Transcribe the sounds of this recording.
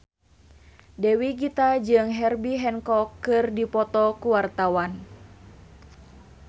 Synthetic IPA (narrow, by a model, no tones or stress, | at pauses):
dɛwiɡit̪ad͡ʒɨŋɦɛrbiɦɛnkɔkːɨrdipɔt̪ɔkuwart̪awan